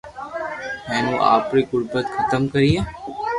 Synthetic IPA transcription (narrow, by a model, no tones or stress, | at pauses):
ɦɛ̃ːnũːʔa̰ːpɾiːɡʊɽbət̪xʰət̪əmkəɾiːeː